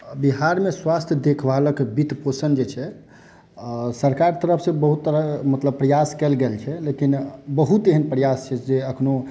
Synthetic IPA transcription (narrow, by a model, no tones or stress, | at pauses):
biɦaɾmeswast̪ʰjəd̪ekʰbaləkbit̪posənd͡ʒet͡ʃʰɛ | səɾkaɾt̪əɾəpʰsẽbəɦut̪ːəɾəmət̪ləbpːɾəjaskɛlɡelt͡ʃʰɛlekinbəɦut̪eɦənpɾəjast͡ʃʰɛd͡ʒeəkʰno